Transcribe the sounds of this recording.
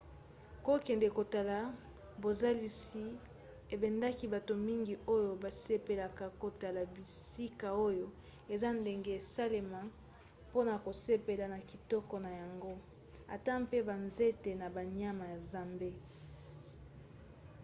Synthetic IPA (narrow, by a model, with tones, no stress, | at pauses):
ko˦kɛ˨nde˨ko˨ta˨la˨ | bo˨za˦li˦si˦ | e˨bɛ˨nda˦ki˦ba˨to˨mi˦ŋɡi˨o˦jo˨ba˨se˦pe˨la˨ka˨ko˨ta˨la˨bi˨si˦ka˨o˦jo˦ | e˨za˦nde˨ŋɡe˨e˨sa˦le˨ma˨ | po˦na˨ko˨se˦pe˨la˨na˨ki˨tɔ˦kɔ˨na˨ja˨ŋɡo˦ | a˨ta˦mpe˦ba˨nze˦te˨na˨ba˨ɲa˦ma˨ja˨za˨mbe˦